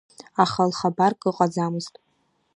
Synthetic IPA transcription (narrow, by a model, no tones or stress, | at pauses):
aχalχabarkʼɨqʼad͡zamɨztʼ